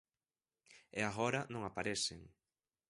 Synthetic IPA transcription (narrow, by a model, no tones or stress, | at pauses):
ɛaɣɔɾɐnõŋapaɾesɪŋ